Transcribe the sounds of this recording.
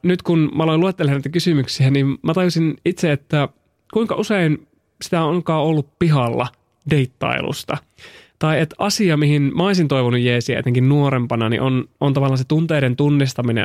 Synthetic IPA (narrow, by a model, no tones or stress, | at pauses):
nyt̪kunmæoloiluet̪ːelːenit̪ækysymyksiænimmæt̪ɑjusinit̪seet̪ːæ | kuiŋkɑʔusein | si̥t̪æoŋkɑːolːuppiɦɑlːɑ̰ | de̞it̪ːɑ̰ḭlṵst̪ɑ | t̪ɑiet̪ɑsiɑmihinmæoisint̪oiʋonujjeːsiæḛt̪eŋkinnuoɾempɑnɑnḭʔonont̪ɑʋɑlːɑːnset̪unt̪eːɾent̪unːist̪ɑminḛ